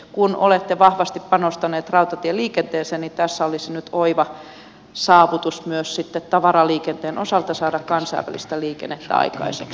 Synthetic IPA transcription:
kunʔo̰let̪ːeʋɑhʋɑst̪ippɑnost̪ɑneːt̪rɑut̪ɑt̪ieliːkent̪eːseːnnit̪æsːæolisinyt̪ʰoiʋɑ | sɑːʋut̪usmyøssit̪ːet̪t̪ɑʋɑrɑliːkent̪eːnʔosɑlt̪ɑsɑːdɑkkɑnsɑ̰iʋæ̰lḭst̪æliːkḛnːet̪ːæ̰ɑ̰ikɑ̰isḛk

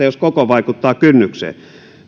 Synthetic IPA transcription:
ɑjoskokoʋɑikut̪ːɑːkynːyksḛː

